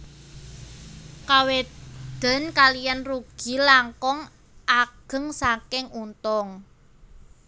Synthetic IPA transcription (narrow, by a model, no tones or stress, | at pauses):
kawed̪̥ə̤nkalijanruɡ̥i̤laŋkɔŋ | ʔaɡ̥ə̤ŋsakɪŋunt̪ɔŋ